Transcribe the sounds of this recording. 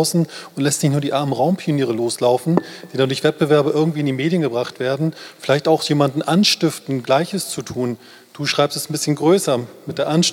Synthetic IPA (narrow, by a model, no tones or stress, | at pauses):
ʊsn̩ʔʊntlɛstnɪçtnuːɐdiːʔaɐmənʁaʊmpʰioniːʁ̞əloːslaʊfn̩d̥iːdandʊɐçv̥ɛt̚b̥əvɛɐbɐʔɪɐɡŋtv̥iːɪndiːmeːdjənɡəbʁaχtv̥eːɐdn̩fɪlaɪçtaʊxjeːmandn̩ʔanʃtɪftn̩ɡlaɪçəst͡sutʰuːn | d̥uːʃʁ̥aɪpstɛsn̩bɪsçənɡʁøːsɐmɪt̚d̥eːɐʔanʃ